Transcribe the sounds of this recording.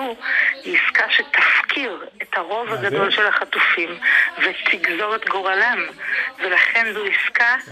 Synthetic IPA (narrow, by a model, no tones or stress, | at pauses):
uiskaʃet̪ʰafkʰiʁet̪haʁo̞vaɡado̞lʃelaχat̪ufimvet̪ʰiɡzo̞ʁet̪ɡo̞ʁalamvelaχenzuiska